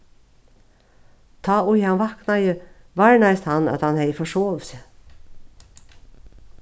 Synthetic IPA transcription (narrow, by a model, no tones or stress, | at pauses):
t̪ʰɑːʊjɑnʋɑknɑjə | ʋɑɹɳæɪst̪hɑnɑ̰t̪hɑnheɪfɔʃoːʋsə